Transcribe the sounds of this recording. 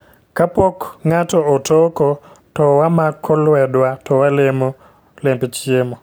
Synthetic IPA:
kapɔkŋatɔɔtɔkɔ | tɔwamakʰːɔlwɛdwatɔwalemo | lempet͡ʃjemo

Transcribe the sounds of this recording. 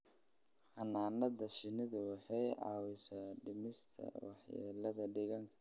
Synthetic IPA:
ħɑnaːnɐðɐʃɪnɪðʊwɑħɑjʕɑ̰ːwɪsaːɖɪmɪst̪ʰɐ̰wɑ̰ħja̰ːlɐðɐɖɪɣɐŋkʰɐ̥

